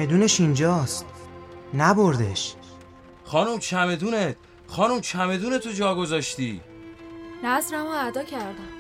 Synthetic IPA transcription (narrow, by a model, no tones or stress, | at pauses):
ed̪uːneʃind͡ʒɒːst̪næboɾd̪ḛʃ | xɒːnumt͡ʃʰæme̞d̪uːnet̪ | xɒːnumt͡ʃʰæme̞d̪uːne̞t̪ʰod͡ʒɒːɡo̞zɒːʃt̪ḭː | næzɾæmoæd̪ɒːcʰæɾd̪æm